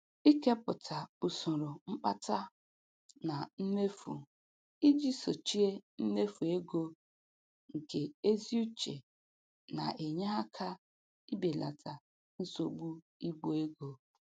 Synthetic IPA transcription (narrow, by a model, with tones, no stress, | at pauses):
i˦ke˦pʊ˨tʰa˨u˨sʊ˨ɾʊ˨ŋ͡m̩˦k͡pa˦ta˦ | na˨n̩˦ne˦fṵ˨ | i˦d͡ʒi˦so˨t͡ʃi˦e˦n̩˦ne˦fu˨e˦ɡo˦ | ŋ̩˨ke˨e˦zi˦u˦t͡ʃḛ˨ | na̰˨ʔe˨ɲe˦ɦa˦kʰa˦ | i˦be˨lʔa̰˨tʰa˨ | n̩˦so˦ɡ͡bu˦ | i˦ɡo˨e˦ɡo˦